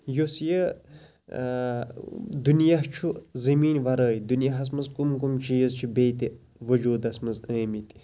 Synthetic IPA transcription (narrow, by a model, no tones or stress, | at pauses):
josjɐ | d̪unjaɦt͡ʃʰuzɐmiːnʲʋɐɾəːjd̪unjɐɦɐs̬mɐzkumk̬umt͡ʃʰijɐzt͡ʃʰibeːt̪i | ʋɐd͡ʒuːd̪ɐsmɐzəːmit̪i̥